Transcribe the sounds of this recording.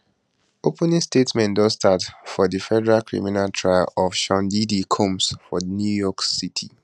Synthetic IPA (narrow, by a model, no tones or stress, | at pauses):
opɛ̃nĩŋstetsmɛ̃ndɔzstatfɔðəfɛdɛɹalkʰɹḭminaltʰɹaɪ̰lɔfʃɔ̃ndidikʰõmsfɔnjujɔksitʰi